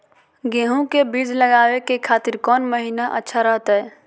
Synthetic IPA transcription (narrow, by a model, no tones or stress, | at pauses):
ɡeːɦũkebiːd͡ʒləɡaːwekekʰaːt̪ɪɾkɔːnməɦiːnaʔə̰tːʃʰaɾəɦt̪aɦɛː